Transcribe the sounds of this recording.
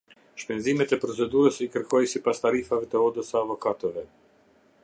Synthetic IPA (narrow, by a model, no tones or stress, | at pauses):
ʃpɛnzimɛt̪ɛpɾɔt͡sɛd̪uɾəsikəɾkʰɔjsipast̪aɾifavɛt̪əɔd̪əsəavɔkat̪ɛvɛ